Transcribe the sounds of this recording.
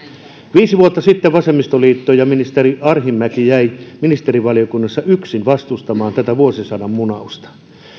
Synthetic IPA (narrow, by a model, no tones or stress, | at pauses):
ʋiːsiʋuot̪ːɑsit̪ːeʋʋɑsemːist̪oliːt̪ːojɑminist̪eriɑrhimːækijæiminist̪eriʋɑlijokunːɑsːɑyksinʋɑst̪ust̪ɑmɑːnt̪æt̪æʋuosisɑnɑmmunɑust̪ɑ̥